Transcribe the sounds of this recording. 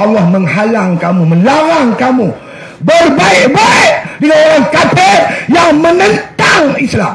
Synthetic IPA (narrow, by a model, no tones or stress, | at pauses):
alːahməŋɦalaŋkamumə̃nlaɾaŋkamu | bərbaɪkbaɪʔdəŋanoɾaŋkat̪erjaŋmənə̃nt̪aŋislam